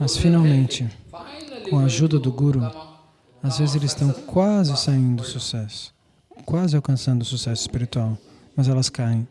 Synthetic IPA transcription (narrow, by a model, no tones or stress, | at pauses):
mɐsfinawmẽnt͡ʃɪ | kʰõɐːʒud̪ɐd̪ʊɡuɾʊ | azvezɪzelɪzst̪ɐ̃w̃kwazɪsaĩnd̪ʊsusɛsʊ̥ | kwazɪawkɐ̃sɐ̃nd̪ʊsusɛsʊɪ̥spiɾit̪uaw | mɐzɛlɐskaẽj̃